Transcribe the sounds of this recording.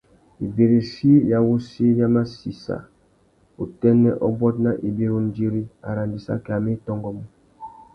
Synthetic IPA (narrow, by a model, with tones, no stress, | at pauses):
i˨be˨ɾi˨si˦ja˨wu˦si˦ja˦ma˦si˨sa̰˨ | u˨tɛ˦nɛ˦ʔɔ˦bɔ˦t̚na˦ʔi˨bi˦ɾu˦n˦d͡ʒi˦ɾi˦a̰˨ɾa˨ndi˨sa̰˦kɛ˨a˨me˦tɔ˦ŋɡɔ˦mɔ˦